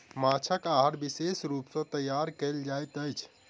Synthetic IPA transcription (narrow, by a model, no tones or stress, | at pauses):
mat͡ʃʰəkaɦəɾbisesɾupsə̃t̪əjːaɾkeld͡ʒajt̪əjt͡ʃʰ